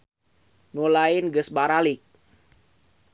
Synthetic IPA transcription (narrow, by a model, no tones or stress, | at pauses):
nulainɡəsbaɾalɪk̚